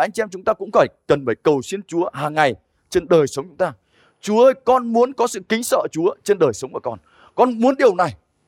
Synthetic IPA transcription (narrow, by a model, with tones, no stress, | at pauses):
ʔa˧jŋ̟t͡ɕi˧mt͡ɕʊ˨˦ŋ͡mt̪aː˧kʊ̰˧˥ŋ͡mfaː˧˩jkə˨˩nfaː˧˩jkə˨˩wsi˧ənt͡ɕu˨˦əhaː˨˩ŋːa˨˩j | t͡ɕe˧nɗəː˨˩jsə˨˦wŋ͡mt͡ɕʊ˨˦ŋ͡mt̪aː˧ | t͡ɕu˨˦əʔəː˧jkɔ˧nmu˨˦ənkɔ˨˦sɨ̰˧˨kï˨˦ŋ̟sə̰ː˧˨t͡ɕu˨˦ət͡ɕe˧nɗəː˨˩jsə˨˦wŋ͡mkuː˧˩kɔ˧n | kɔ˧nmu˨˦ənɗi˨˩əwna˨˩j